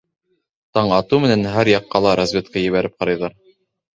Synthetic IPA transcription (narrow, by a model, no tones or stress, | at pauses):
t̪ɑɴɑt̪umɘ̆nænɦæɾjɑqːɑlˠɑɾazvʲet̪̚kæjɘ̆βæɾɘp̚qɑɾɑjðɑɾ